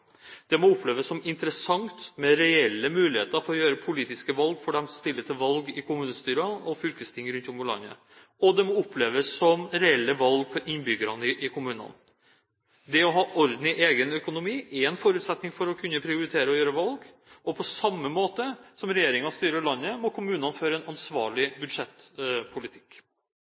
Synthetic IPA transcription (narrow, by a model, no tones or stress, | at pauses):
d̪̥ɛmɔʊpʰleːʋəsːɔmɪnt̪əɾəsɑŋt̪mɛɾɛɛlːəmʉːlɪhḛːt̪əɾfɔɾɔjøːɾəpʰʊliːt̪ɪskəʋɑlɡfɔɖɛmst̪ɪlːət̪ʰɪlʋɑlɡɪkʰʊmʉːnəst̪yːɾɑɔfʏlkəst̪ʰɪŋɾʉnt̪ʊmʊlɑ̰nːə̰ | ɔd̪ɛmɔʊpʰleːʋəsɔmɾɛɛlːəʋɑlɡfɔɾʔɪnːbʏɡəɾɑnəɪʔɪkʰʊmʉːnɑ̰n | d̪ɛɔɦɑːʔɔɾd̪n̩ɪʔeːɡənœkʊnʊmiːɛɛnfɔɾʉːt̪sɛt̪nɪŋfɔɾɔkʰʉnːəpʰɾɪʊɾɪt̪ʰeːɾəɔjøːɾəʋɑlɡ | ɔpʰɔsɑmːəmoːt̪əsɔmɾɛjeːɾɪŋɑst̪yːɾəɭɑnːəmɔkʰʊmʉːnɑnføːɾəɛnɑnsʋɑːɭɪbʉd̪ʂɛt̪pʰʊlɪt̪ʰɪ̥k